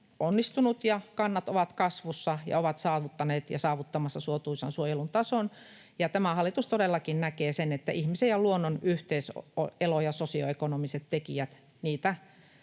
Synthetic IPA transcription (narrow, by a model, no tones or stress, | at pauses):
onːist̪unut̪jɑkɑnːɑt̪oʋɑt̪kɑsʋusːɑjɑ̰oʋɑt̪sɑːʋut̪ːɑneːt̪jɑ̰sɑːʋut̪ːɑmɑsːɑsuot̪uisɑnsuojelunt̪ɑson | jɑt̪æmæhɑlːˑit̪ust̪odelːɑkinnækeːsenet̪ːæʔihmisejjɑluonːonyht̪eiso̰elojɑsosio̰ekonomiset̪tekiæt̪ | niːt̪æ